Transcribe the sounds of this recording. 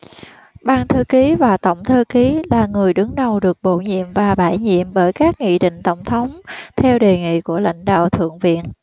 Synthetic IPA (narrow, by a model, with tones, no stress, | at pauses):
ɓaː˧nt̪ʰəː˧ki˨˦vaː˨˩t̪ə̰˧˩wŋ͡mt̪ʰəː˧ki˨˦laː˨˩ŋɨ˨˩əjɗɨ˨˦ŋɗə˨˩wɗɨ˨˩ək̚ɓo̰˧˨ɲḭ˧˨əmvaː˨˩ɓaː˧˩jɲḭ˧˨əmɓəː˧˩jkaː˦˥k̚ŋḭ˧˨ɗḭ̈˧˨ŋ̟t̪ə˧˩wŋ͡mt̪ʰə˨˦wŋ͡mt̪ʰɛ˧wɗe˨˩ŋḭ˧˨ku˧˩əla̰˧˥jŋ̟ɗa̰ː˧˨wt̪ʰɨ̰˧˨əŋvḭ˧˨ən